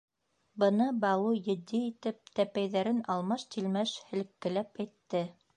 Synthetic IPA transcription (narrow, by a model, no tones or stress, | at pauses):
bɤ̆nɤbɑlˠujɘ̆d̪iːt̪ɘp̚t̪æpæjðæɾɘnɑlˠmɑʃt̪ilmæʃhɘ̆lɘ̆kːɘ̆læpæjt̪ːɘ